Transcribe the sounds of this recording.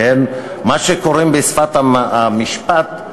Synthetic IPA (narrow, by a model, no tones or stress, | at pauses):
en | maʃekoɾembesfat̪amiʃpat̪